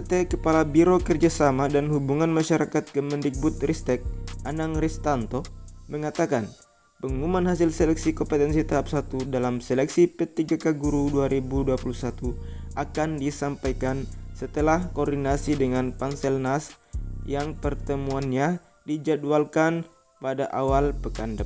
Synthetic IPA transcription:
t̪ɛkəpalabiɾokərd͡ʒasamadanhubuŋanmaʃaɾakat̪̚kəməndik̚but̪̚rist̪ɛk̚anaŋrist̪ant̪oməŋat̪akan | pəŋumanɦasilsɛlɛk̚sikɔmpət̪ɛnsit̪aɦap̚sat̪udalamsɛlɛksipət̪iɡakaɡuɾuduaɾibuduapulusat̪uʔakandisampajkansət̪əlahkordinasidəŋanpansɛlnasjaŋpərt̪əmuanɲa | did͡ʒadualkan | padaʔawalpəkandəp

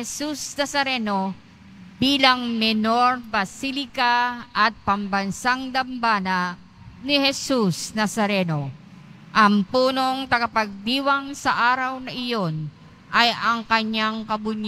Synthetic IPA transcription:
ɛsusnɐsɐɾɛno̞ | biːlɐŋmɛno̞ɾbɐsilɪkaʔɐt̪̚pɐmbɐnsaŋd̪ɐmbaːnɐ | nɪhɛsusnɐsɐɾɛno̞ | ʔɐŋpuːno̞ŋt̪ɐɡɐpɐɡ̚d̪iːwɐŋsɐʔaːɾɐwnɐʔɪjo̞n | ʔɐjɐŋkɐɲːaŋkɐbʊɲa

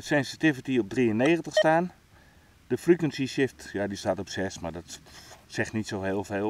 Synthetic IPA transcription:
sɛnsitɪvitiɔp̚driənːeːxəntəxstaːn | d̥əfrikwənsisɪftjadistatɔpsɛsmardɔtsɛxtnitsoheːlˠfeː

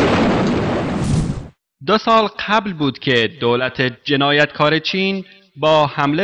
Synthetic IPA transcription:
d̪osɒːlqʰæblbuːd̪̥cʰe̞d̪oːlæt̪ʰed͡ʒe̞nɒːjæt̪kʰɒːɾe̞t͡ʃʰiːn | bɒːhæmle

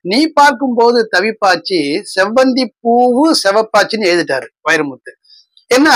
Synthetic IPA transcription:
niːpaːɾkɯmpoːðɯt̪ɐʋɪpːaːt͡ʃːisɛʋbɐnd̪ipːuːʋɯsɛʋɐpːaːt͡ʃːinːɯɛːðɯʈːaːɾʋɐjɪɾɐmʊt̪ːɯ | ɛnːa

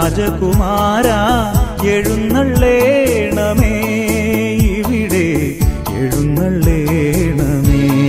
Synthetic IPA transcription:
ɐd͡ʑɐkumaːɾaeɻunːɐɭːeɳɐme | iʋiɽe | eɻunːɐɭːeɳɐme

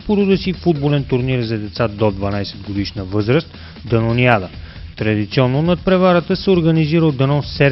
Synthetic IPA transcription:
poɾud̪əsifud̪bolɛnt̪uɾniɾzɐd̪ɛt̪sad̪od̪vɐnajsɛd̪ɡod̪iʃnəvɤzɾəst̪ | d̪ɐnoniad̪ət̪ɾɐd̪it̪siɔnːonɐt̪̚pɾɛvaɾət̪əsɛoɾɡəniziɾəlˠd̪ɐnɔsɛɾ

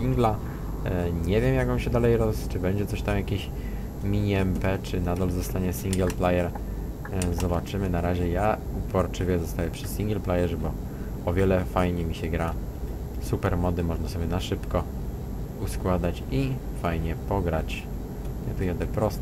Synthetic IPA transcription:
iŋɡla | ɲɛvʲjɛmjakɔmɕɛd̪alɛjɾɔst͡ʂɘbɛɲd͡ʑɛt̪sɔɕt̪amjakʲeɕ | mʲiɲiɛmpɛt͡ʂɘnad̪alzɔst̪aɲɛsʲiŋɡɛlplajɛɾ | zɔbat͡ʂɘmɘnaɾaʑɛjaupɔɾt͡ʂɘvʲjɛzɔst̪ajɛpʂɘsʲiŋɡɛlplajɛʐɛbɔ | ɔvʲjɛlɛfajɲɛmʲiɕɛɡɾa | supɛɾmɔd̪ɘmɔʐnasɔbʲjɛnaʂɘpkɔ | uskwad̪at͡ɕi | fajɲɛpɔɡɾat͡ɕ | ɲɛt̪ujad̪ɛpɾɔst̪

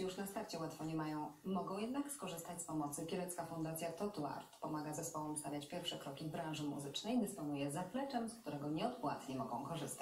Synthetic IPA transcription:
juʂnast̪aɾt͡ɕɛwat̪fɔɲɛmajɔ̃w̃mɔɡɔ̃w̃jɛd̪nakskɔʐɘst̪at͡ɕʲspɔmɔt̪sɘpʲɛlɛt̪skafund̪at̪sʲjat̪ɔt̪ua̰ɾt̪pɔmaɡazɛspɔwɔmst̪avʲjat͡ɕpʲjɛɾfʂɛkɾɔkʲivbɾãʐɘmṵzɘt͡ʂnɛjd̪ɘspɔnujɛzaplɛt͡ʂɛmskt̪uɾɛɡɔɲɛɔt̪pwat̪ɲɛmɔɡɔ̃w̃kɔʐɘst̪a

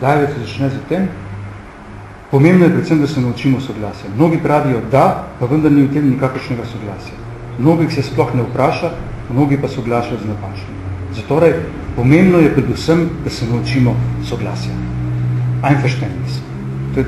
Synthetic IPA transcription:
d̪aːjʋɛt̪sɛzat͡ʃnɛzat̪eːm | pɔmẽːmbnɔjɛpɾɛt̪səmd̪asɛnaut͡ʃiːmɔsɔɡlaːsjamnoːɡipɾaːʋijɔd̪apaʋənd̪ɐɾniuwt̪eːmnikaːkəɾʃnɛɡasɔɡlaːsja | mnoːɡixsɛsplɔxnɛwpɾaːʃa | mnoːɡipasɔɡlaːʃajɔznapaːt͡ʃnimzat̪oːɾaj | pɔmembnɔjɛpɾɛd̪usəmd̪asɛnaut͡ʃiːmɔsɔɡla̰ːsja̰ | ajnfɛʃt̪ɛnnis | t̪o

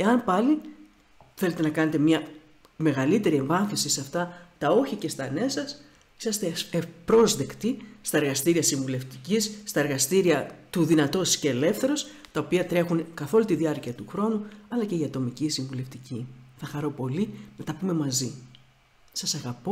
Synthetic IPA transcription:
e̞ɐnpɐli | θe̞le̞t̪e̞nɐkɐne̞t̪emɲɐ | me̞ɣɐlit̪e̞ɾie̞ɱvɐnθisiseɐft̪ɐt̪ɐo̞çice̞st̪ɐnesɐs | i̥sɐst̪e̞epɾo̞zðe̞kt̪ist̪ɐe̞ɾɣɐst̪iɾiɐsiɱvule̞ft̪icisːt̪ɐeɾɣɐst̪iɾiɐt̪uðinɐt̪o̞sceːle̞fθe̞ɾo̞st̪ɐopiɐt̪ɾe̞xunkɐθo̞lut̪iðiɐɾciɐt̪uxɾo̞nuɐlɐce̞iɐt̪o̞micisiɱvule̞ft̪iciθɐxɐɾo̞po̞linɐt̪ɐpume̞mɐzi | sɐsɐɣɐpo̞

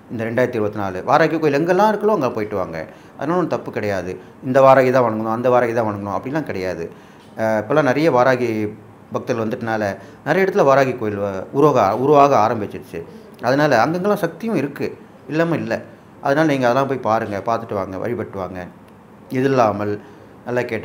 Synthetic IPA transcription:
ɪnd̪ɐɾɛɳɖaːjɾɐt̪ːɪɾɯbɐt̪ːɯnaːlɯʋaːɾaːɣikːoːjɪlɛŋɡɛlːãːɪɾɯkːɐlõːɐŋɡɐlãpoːjɪʈːɯʋa̰ːŋɡɐ̰ | ʔɐ̰ðɯnaːlɐɔnːɯt̪ɐpːɯkːɪɽɐjaːðɯ | ɪnd̪ɐʋaːɾaːɣit̪ãːʋɐɳɐŋɡɐnʊ̃ɐnd̪ɐʋaːɾaːɣit̪ãːʋɐɳɐŋɡɐnʊ̃ɐpːɐɽɪlːãːkɪɽɐjaːðɯ | ɪpːoːlːãːnɐɾɐjɐʋaːɾaːɣi | bɐk̚t̪ɪɪlʋɐnd̪ɯʈːɯnaːlɐ | nɐɾɐjɐɪɽɐt̪ːɪlʋaːɾaːɣikːoːjɪlʊɾʋːɣɐʊɾʊʋaːɣɐaːɾɐmbɪt͡ʃːɪɾt͡ʃːɯ | ɐðɐnaːlɐɐŋɡeɛŋɡɐlːãːsɐk̚t̪ɪjʊ̃ɪɾɯkːɯ | ɪlːɐːmãɪlːɛ̰ | ʔɐðɐnaːlɐniːŋɡɐðɛlːãːpoːjpaːɾɯŋɡɐpaːɾt̪ɯʈːɯʋa̰ːŋɡɐ̰ʋʔɐ̰ɻɪpɐʈːɯʋa̰ːŋɡɐ | ɪðɯlːaːmɐl | nɐlːakeːʈː

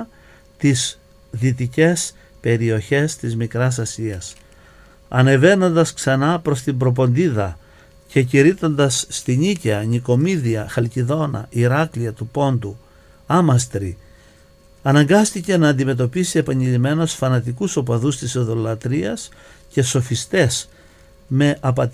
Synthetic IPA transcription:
t̪is | ðit̪ice̞s | pe̞ɾio̞çe̞st̪izmikɾɐs̬ɐsiɐs | ɐne̞ve̞no̞nd̪ɐsksɐnɐpɾo̞st̪imbɾo̞p̬o̞nd̪iðɐ | ce̞ciɾit̪o̞nd̪ɐsːt̪iɲicɐɲiko̞miðiɐxɐlciðo̞nɐ̰iɾɐkliɐt̪upo̞nd̪u | ɐmɐst̪ɾi | ɐnɐŋɡɐst̪ice̞nɐːnd̪ime̞t̪̬o̞pisie̞pɐɲeʎime̞no̞sfɐnɐt̪ikuso̞pɐðust̪iseðo̞lɐt̪ɾiɐs | ce̞so̞fist̪e̞s | me̞ʔɐpɐt̪

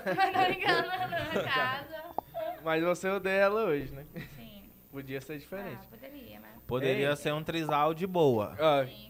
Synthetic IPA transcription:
ɡ | zɐmɐzvoseod̪eɛlɐoʒɪnɛ | pod͡ʒiɐseɾd͡ʒifeɾẽt͡ʃɪ̥eɾipod̪eɾiɐseɾũt̪ɾizawd͡ʒɪbowɐ̰a

